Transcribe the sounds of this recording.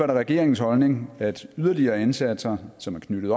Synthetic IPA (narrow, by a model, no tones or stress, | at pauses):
æɾɐʁɛɡ̥e̝̰ɐ̰eŋn̩shɒ̽lne̝ŋæd̥yð̞ˠɐliɐːensæd̥sɐsɒ̽mæɐkʰnyɾ̥ð̩ˠɒ